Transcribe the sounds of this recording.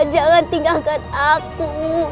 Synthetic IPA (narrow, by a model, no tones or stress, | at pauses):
d͡ʒaɣant̪iŋɡalkanaku